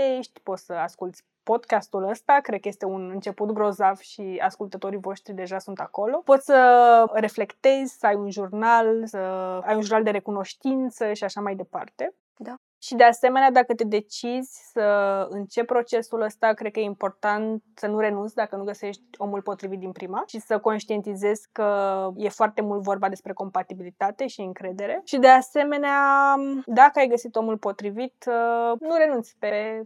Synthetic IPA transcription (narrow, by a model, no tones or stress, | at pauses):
eʃt̪ʲpo̞t̪səaskult̪sʲ | po̞d̪kast̪uləst̪akɾe̞d̪̚kəje̞st̪e̞unɨnt͡ʃe̞put̪ɡɾo̞zavʃia̰skult̪ət̪o̞ɾivo̞ʃt̪ɾid̪e̞ʒasunt̪ako̞lo̞po̞t̪sʲsəre̞fle̞kt̪e̞zʲsəajunʒurnalsəajunʒuɾrnald̪e̞ɾe̞kuno̞ʃt̪int̪səʃiaʃamajd̪e̞pa̰rt̪e̞ | d̪a | ʃid̪e̞ase̞me̞nead̪akət̪ed̪e̞t͡ʃizʲsəɨnt͡ʃe̞ppːɾo̞t͡ʃe̞suləst̪akɾed̪̚kəjeimpo̞rt̪ant̪sənuɾe̞nunt̪sʲd̪akənuɡəse̞ʃt̪̚ʲo̞mulpo̞t̪ɾivit̪̚d̪inpɾimaʃisəko̞nʃt̪ie̞nt̪ize̞z̥ʲkəje̞foart̪e̞mult̪vo̞rbad̪e̞spɾe̞ko̞mpat̪ibilit̪at̪e̞ʃiɨŋkɾe̞d̪e̞ɾe̞ʃid̪e̞ase̞me̞nead̪akəajɡəsit̪o̞mulpo̞t̪ɾivit̪nuɾe̞nunt̪sʲpe